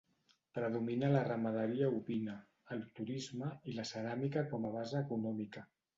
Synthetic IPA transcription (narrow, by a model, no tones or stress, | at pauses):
pɾəðuminələrəməðəɾiəuβinəː | lˠt̪uɾizməiləsəɾamikəkɔməβ̞azəːkunɔmikə